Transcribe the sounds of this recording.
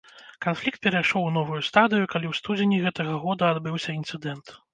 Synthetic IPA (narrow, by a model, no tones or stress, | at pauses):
kanflʲikt̪̚pʲɛɾajʂɔwnɔvujust̪ad̪ɨjukalʲiwst̪ud͡zʲenʲiɣɛt̪ɐɣɐɣɔd̪ɐad̪bɨwsʲɐint̪sɨd̪ɛnt̪